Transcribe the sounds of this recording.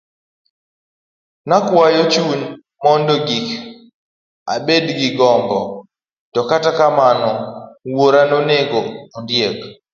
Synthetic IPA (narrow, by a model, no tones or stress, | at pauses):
nakwajɔt͡ʃuɲ | mɔndoɡik | a̰bedɡɪɡɔmbɔ | tɔkatakamanɔwoɾanoneɡoːndjek